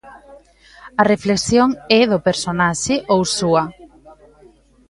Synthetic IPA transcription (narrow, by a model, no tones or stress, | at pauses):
ɐrefleksjoŋɛðʊpeɾsonaʃɪʔowsuɐ